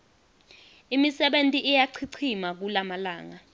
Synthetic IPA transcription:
imisɛɓentʼiʔijaǀʰiǀʰimak̬ulamala̰ːŋa

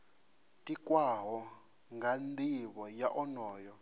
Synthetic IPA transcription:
tʼikʼwaɦɔ | ŋɡand̪iβɔjaʔɔnɔːjɔ

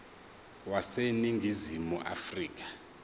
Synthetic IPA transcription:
waseniŋɡʱizimuʔa̰friːk̬ʼḁ

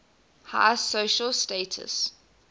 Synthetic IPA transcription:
ha̰ɪsoʊʃəlsteɪtʰə̰s

